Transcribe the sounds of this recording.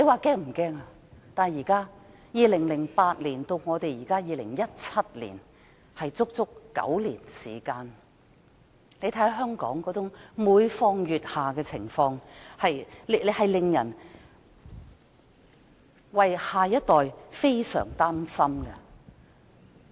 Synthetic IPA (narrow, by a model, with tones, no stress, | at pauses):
le˨˧jwaː˨kɛː˥ŋm̩˨˩kɛː˥ŋa˧ | t̪aː˨˩njiː˨˩kaː˥ | jiː˨lɪ˨˩ŋlɪ˨˩ŋpaː˧t̚liː˨˩nt̪o˧wŋɔː˨˧t̪e˨jiː˨˩kaː˥jiː˨˧lɪ̰˨˩ŋjɐ˥t̚t͡sʰɐ˥t̚lḭː˨˩n | hɐ˨jt͡sʊ˥k̚t͡sʊ˥kːɐ̰˨˥wlḭː˨˩nsḭː˨˩kaː˧n | le˨˧jt̪ʰɐ˨˥jhɐ˧wɦœː˥ŋkɔ̰ː˨˥ŋkɔː˨˧˥t͡sʊ˨˥ŋmuː˨˧jfɔː˧ŋjyː˨t̚haː˨kɛː˧t͡sʰɪ̰˨˩ŋfɔː˧ŋhɐ˨jle˨hɐ˨jlɪ˨ŋjɐ˨˩n | wɐ˨jhaː˨˩jɐ˥t̚t̪ɔː˨jfe˥jsœ̰ː˨˩ŋt̪aː˥msɐ˥mɡɐ˧